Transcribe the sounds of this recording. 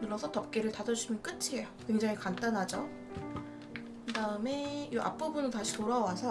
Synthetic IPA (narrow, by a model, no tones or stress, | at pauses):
nɯɾʌsʰʌtʌp̚k͈eɾɯɭtadʌd͡ʑuimjʌnk͈ɯt͡ɕʰiɦe̞jokwe̞ŋd͡ʑaŋikant͈anɦad͡ʑo | kɯdaɯme̞oʔa̰p͈ubunɯntaɕʰitoɾawasʰʌ